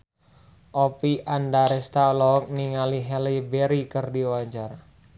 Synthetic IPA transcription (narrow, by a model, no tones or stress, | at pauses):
ʔɔpiʔandaɾɛst̪alɔk̚niŋaliɦɛlibeɾikərdiwad͡ʒar